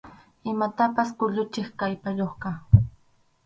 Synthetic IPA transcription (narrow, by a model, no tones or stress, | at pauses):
ɪmat̪apaskʊʎʊt͡ʃɪχkajpajoχkɑ